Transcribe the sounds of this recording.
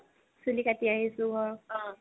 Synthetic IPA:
sulikatiaɦisʊɡʱɔɹɔ̃

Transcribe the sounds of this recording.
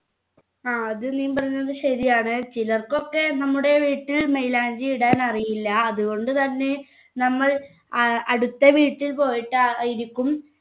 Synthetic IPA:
aːɐðɨniːumpɐrɐjunːɐðɨɕɐðijaːɳɨt͡ɕilɐrko̞kːe̞nɐmːuɽe̞ʋiːʈːilmejlaːɲd͡ʑiiɽaːnɐrijilːɐːðuɣo̞ɳɖɨt̪ɐnːe̞ | nɐmːɐɭ | ɐɽut̪ːɐʋiːʈːilpo̞ːjiʈːajiɾikʲːum

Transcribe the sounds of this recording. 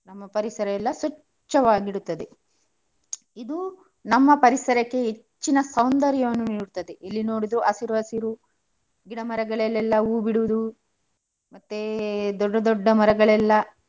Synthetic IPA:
nɐmːɐpɐɾisɐɾɐɛlːɐsʋɐ | t͡ʃːɐʋaːɡiɽut̪ːɐd̪e̞ | id̪u | nɐmːɐpɐɾisɐɾɐkːe̞ɦet͡ʃːinɐsɐwnd̪ɐɾjɐʋɐnːuniːɽut̪ːɐd̪eʔilːino̞ːɽid̪ɾuʔɐsiɾuɐsiɾu | ɡiɽɐmɐɾɐɡɐɭɛlːɛlːɐuːbiɽuʋud̪u | mɐt̪ːed̪ɔɖːɐd̪ɔɖːɐmɐɾɐɡɐɭɛlːɐ

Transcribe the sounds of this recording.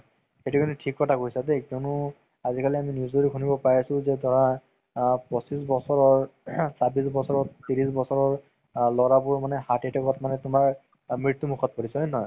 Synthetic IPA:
xetukʰinitʰikːɔtʰakojsatekɔnʊ | azikaliaminjusoɹikʰunibɔpaɹisʊ̃zɛdʱɔɹa | pɔsisbɔsɔɹɔɹsabisbɔsɔɹɔt̪iɹisbɔsɔɹɔɹ | lɔɹabʊɹmanɛhatitʰɔkɔtmanɛtʊmaɹ | mɹiɹt̪ːumukʰɔt̚pɔɹisɔjnɔj

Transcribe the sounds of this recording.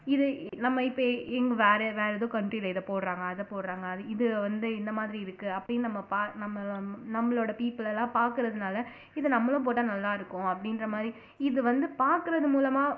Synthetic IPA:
ɪðɯnɐmːɐɪpːoɛŋɡɐʋeːɾɛʋeːɾɛðõːkɐɳʈɾiːlɐɪðɐpoːɽɾaːŋɡɐːðɐpoːɽɾaːŋɡɐːðɯɪðɯʋɐnd̪ɯɪnd̪ɐmaːðɪɾiɪɾɯkːɯɐpːɐɽɪnːnɐmːɐpaːnɐmːɐnɐmːɐɭoːɽɐpiːpːɪlɛlːãːpaːɾkɯɾɐðɯnaːlɐ | ɪðɐnɐmːɐɭʊ̃p̬oːʈːɐnɐlːaːɪɾɯkːʊ̃ɐpːɐɽɪnɾɐmaːd̪ɾi | ɪðɯʋɐnd̪ɯpaːɾkɯɾɐðɯmuːlɐmaː

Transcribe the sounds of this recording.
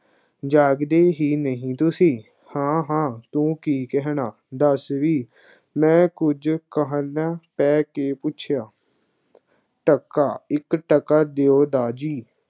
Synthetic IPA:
d͡ʒaːɡd̪eːɦiːnəɦĩːt̪ʊsĩː | hãːɦãːt̪ũːkiːkɛɦnaː | d̪əsʋiː | mɛ̃ːkʊd͡ʒkəɦə̃lãːpɛːkeːpʊt͡ʃʰjaː | ʈəkːaːɪkʈəkaːd̪eːoːd̪aːd͡ʒiː

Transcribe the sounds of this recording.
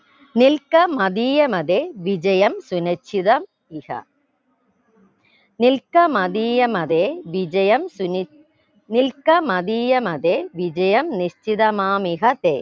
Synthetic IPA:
nɪlkɐmɐðiːjɐmɐðeːʋɪd͡ʒɐjɐmsʊnɐt͡ʃːɪðɐm | ɪɣɐ̰ | nɪlkɐmɐðiːjɐmɐðeːʋɪd͡ʒɐjɐmʊ | nɪlkɐmɐðiːjɐmɐðeːʋɪd͡ʒɐjɐmnɪst͡ʃɪðɐmaːmɪɣɐt̪ḛː

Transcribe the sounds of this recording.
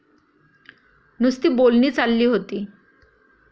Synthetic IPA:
nust̪iːbolniːt͡salːiːɦot̪iː

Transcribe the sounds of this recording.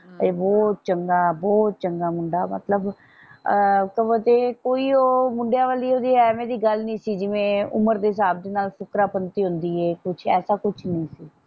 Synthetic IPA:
ebɔːt̪̚t͡ʃəŋɡaːbɔːt̪̚t͡ʃəŋɡaːmʊ̃ɳɖaːmə̰t̪ləb | kəbət̪eːkoːiːoːmʊɳɖejaːʋaːliːoːd̪iːɛːmẽːd̪iːɡəlnĩːsiːd͡ʒɪʋẽːʊ̰məɾd̪eːɦɪsaːb̚d̪eːnaːlsʊkɾaːpənt̪iːɦʊ̃nd̪iːɦɛːkʊt͡ʃʰɛ̰ːsaːkʊt͡ʃʰnəĩːsiː

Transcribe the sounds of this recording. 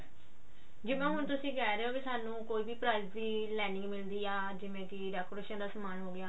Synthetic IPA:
d͡ʒɪʋẽːɦʊnt̪ʊsĩːɡɛːɾeːɦoːkiːsaːnũːkoːiːbiːpɾaːizd̪iː | lɛːnɪ̃ŋɡmɪld̪iːaː | d͡ʒɪʋẽːkɪɖɛːkoːɾeːʃənd̪aːsəmaːnɦoːɡɪjaː

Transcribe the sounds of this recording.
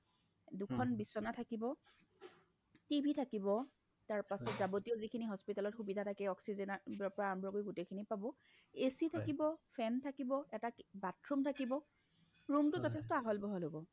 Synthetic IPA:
dukʰɔnbisːɔnatʰakibɔ | tibʱitʰakibɔ | taɹpasɔtzabotiɔzikʰiniɦɔspitalɔtxubidʱatʰakɛɔksizɛnabɔpɔɹaambɹɔkojɡutejkʰinipabɔ | esitʰakibɔpʰɛntʰakibɔɛtabatʰɹumtʰakibɔ | ɹumtʊzɔtʰɛs̬tɔaɦɔlbɔɦɔlɦobɔ

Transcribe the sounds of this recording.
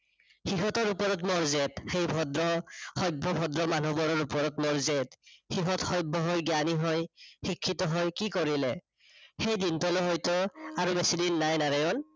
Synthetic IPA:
xiɦɔtɔɹupɔɹɔtmɔɹzetxejbʱɔdɹɔxɔjbʱːɔbʱɔdɹɔmanɔbɔɹɔɹupɔɹɔtmɔɹzetxiɦɔtxɔjbʱːɔɦɔjɡjaniɦɔjxikʰːitɔɦɔjkikoɹilɛ | xejdintɔlɔɦɔjtʊaɹubesidinːajnaɹajɔn

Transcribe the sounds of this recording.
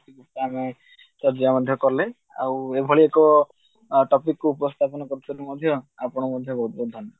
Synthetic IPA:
ikukʈaame | t͡ʃɔɾd͡ʒɔjamɔd̪ʱjɔkɔɾle | a̰webʱɔɭiekɔ | ʈɔpikːuupɔst̪ʰapɔnɔkɔɾut͡ʃʰɔumɔd̪ʱjɔapɔɽ̃ɔmɔd̪ʱjɔbʱɔɦut̪̚bɔd̪ʱɔnːɔ

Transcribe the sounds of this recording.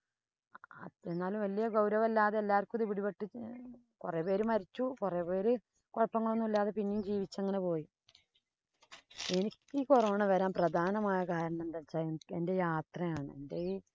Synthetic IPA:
ɐ̰enːaːlumʋɐlːijɐɡɐwɾɐʋɐlːaːðeelːaːɾkːuðiʋiɽipeʈːɨ | kure̞ːpe̞ːɾumɐɾit͡ɕːukure̞ːpe̞ːɾu | koɻpːɐŋːɐɭonːumilːaːðepinːijumd͡ʑiːʋit͡ɕːeŋːɐne̞po̞ːji | e̞nikʲːɨkuroːɳɐʋɐɾaːnprɐd̪ʱaːnɐmaːjɐkaːɾɐɳɐend̪ɐt͡ɕːaːende̞jaːt̪rɐjaːɳɨendei

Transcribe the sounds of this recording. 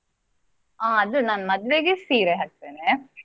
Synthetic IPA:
aːɐd̪unaːnɐmɐd̪ʋeɡesiːɾeɦaːk̚t̪eːne

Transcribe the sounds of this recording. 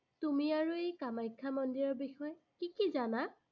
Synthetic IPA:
tumiaɹuejkamajkʰːamɔndiɹɔɹbixɔjɔ | kikizana

